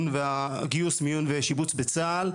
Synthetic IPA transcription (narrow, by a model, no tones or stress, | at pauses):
nveaɡiusmijunveʃibut͡sbet͡saːl